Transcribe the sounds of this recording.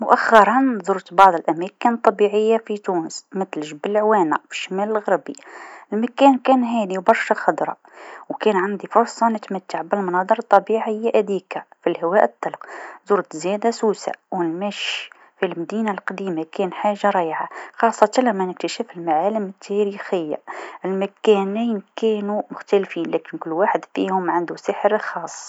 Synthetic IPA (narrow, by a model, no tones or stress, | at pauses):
mʊʔaxːɑɾˤɑnzˤʊɾt̪bɑʕðˤəlʔæmæːkənt̪ˤːɑbiʕɪjːafit̪uːnəsmɪt̪lɪʒbɪlʕwæːnafi̥ʃːamæːlɪlɣɑɾbiɪlmakæːnkæːnɦæːliwbɑɾˤʃaxɑd̪ɾˤɑ̰ | wkɛːnʕand̪ifʊɾˤsˤɑnɪt̪mat̪ːaʕbɪlmʊnɑːd̪ˤɨɾˤɑt̪ˤːɑbiːʕɪjːaʔæd̪iːkafilhɪwæːʔət̪ˤːɑlqzuːɾt̪zjæːd̪asuːsa̰wɪlmæʃ | filmæd̪iːnalqɑd̪iːmakæːnħaːʒːaɾˤɑːjʕaxɑːsˤːɑt̪alæmːænɪk̚t̪əʃæːfɪlmaʕaːlɪmɪt̪ʰːæɾiːxɪjːa̰ʔɪlmækænijnkæːnumʊxt̪ælfiːnlæːkɪnkʊlːwaːħɪd̪fḭːhʊmʕand̪usɪħəɾlxɑːsˤː